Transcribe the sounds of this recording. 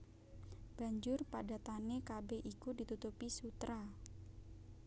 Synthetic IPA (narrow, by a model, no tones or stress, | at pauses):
b̥aɲd͡ʒʊrpadat̪anekabeʔikudit̪ut̪upisut̪ɾa